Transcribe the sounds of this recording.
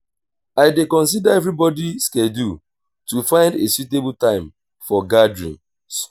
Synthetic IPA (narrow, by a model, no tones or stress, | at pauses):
aɪdekɔ̃ns̬idaɛvɾibɔdiskedu | tufãɪ̃ndesjutebltãɪ̃m | fɔɡadɹḭ̃n | s